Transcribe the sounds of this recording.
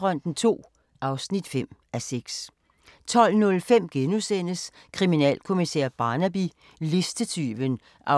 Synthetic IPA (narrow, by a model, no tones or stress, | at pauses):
ʁœn̰d̥n̩t͡sʰo̝̰ː | ʔɑ̈ʊsnid̥fem̰ʔæseɡ̥s | t͡sʰɒ̽l̰nɔ̽lfem̰ɡ̥enusen̰əs | kʰʁiminɛ̰ːlkʰo̝misḛɐb̥ɑ̈næb̥i | le̝sd̥ət͡sʰy̰ːʋən | ʔɑ̈